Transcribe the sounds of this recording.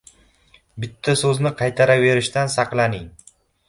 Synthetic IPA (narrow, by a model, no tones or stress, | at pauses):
bɪt̪ʰːasɵznɪqʰɑjt̪ʰaɾave̞ɾɪʃt̪ansɑqlˠanɪŋ